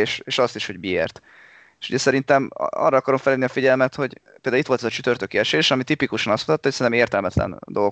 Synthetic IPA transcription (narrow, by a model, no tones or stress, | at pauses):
eːʃeʃɒst̪iʃho̞ɟmiḛːrt̪ | eʃhuɟɛsɛɾint̪ɛm̰ɒ̰rːɒɒkɒɾo̞ɱfɛleniɒfiɟɛlmɛt̪ho̞ɟpeld̪ːuit̪ʋo̞lt̪ɛzɒt͡ʃyt̪ørt̪økiɛʃeːʃɒmit̪ipikuʃɒnɒst̪mut̪ɒt̪ːɑhsɛnɛmeːrt̪ɛlmɛt̪lɛ̰nd̪o̞l